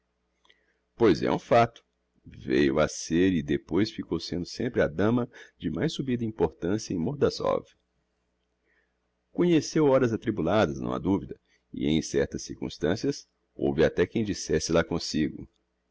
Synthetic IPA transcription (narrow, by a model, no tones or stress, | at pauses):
pojzɛ̰ũfat̪ʊ̥ | vḛjʊaseɾɪd̪epojsfikowsẽnd̪ʊsẽmpɾɪɐd̪ɐ̃mɐd͡ʒɪmajsːubid̪ɐĩpoɾt̪ɐ̃siɐẽj̃moɾd̪ɐsɔ̰vi | kõɲesewɔɾɐzat̪ɾibulad̪ɐznɐ̰̃w̃ɐ̰d̪uvid̪ɐ | ɪ̰ẽj̃sɛɾt̪ɐsːiɾkũst̪ɐ̃siɐs | o̰wvɪat̪ɛkẽj̃d͡ʒisɛsɪlakõsiɡʊ̰